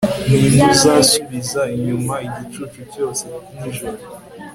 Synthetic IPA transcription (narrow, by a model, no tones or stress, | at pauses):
nimuzaːsuβizaiɲumaiɟit͡ʃut͡ʃuvjo̞ːseniʒoɾo